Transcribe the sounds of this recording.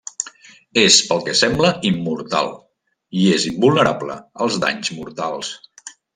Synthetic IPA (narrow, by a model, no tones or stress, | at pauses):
espəlˠkɛsɛmbləimːuɾt̪a̰lˠ | iezimbulˠnəɾablə̰əlˠzða̰ɲzmuɾt̪alˠs